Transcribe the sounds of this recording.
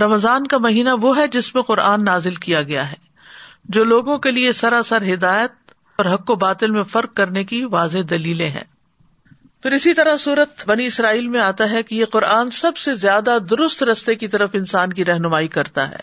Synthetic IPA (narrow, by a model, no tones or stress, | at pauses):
ɾɐmzaːnkamɐɦiːnaʋoɦɛd͡ʒɪsmẽqʊɾʔaːnːaːzɪlkijaɡɐjaɦɛː | d͡ʒoːloːɡõkeliesɐɾasɐɾɦɪd̪aːjət̪̚ | ɔːɾɦɐkːobaːt̪ɪlmẽfɐɾq̚ːɐɾnekiʋaːzed̪ɐliːlẽɦɛ̰̃ː | fɪɾɪsit̪ɐɾasuːɾət̪bɐniɪsɾaːiːlmẽaːt̪aɦɛkijeqʊɾaːnsɐbsezjaːd̪ad̪ʊɾʊst̪ɾɐst̪ekit̪ɐɾəfɪ̃nsaːnkiɾɛɦnʊmaːikɐɾt̪a̰ɦɛ̰ː